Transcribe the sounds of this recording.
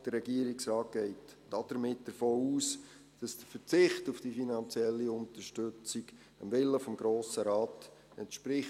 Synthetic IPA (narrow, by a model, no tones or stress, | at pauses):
d̥ərːɛɡiəɾiksrɑːt̚ɡ̥ɛɪtd̥ɑd̥əɾmɪt̚d̥əɾfoːuːs | d̥ɑsd̥əfəɾt͡sɪχtufd̥ifinɑnt͡sjɛlːiʊntəʃtøt͡siɡ | əmvɪlːəfɔmɡɾoːsəɾɑːt | ɛntʃpɾɪχ